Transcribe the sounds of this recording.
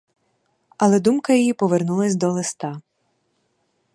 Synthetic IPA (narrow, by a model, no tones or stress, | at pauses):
ɐlˠɛd̪umkɐjijipɔʋernulˠɐsʲd̪ɔlˠest̪ɑ